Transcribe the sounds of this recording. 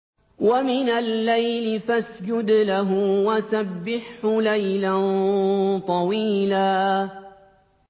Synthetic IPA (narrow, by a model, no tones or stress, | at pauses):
wamɪnalːajlɪfasd͡ʒʊd̪laɦʊwasabːɪħʊlajlan | t̪ˤɑwiːlaː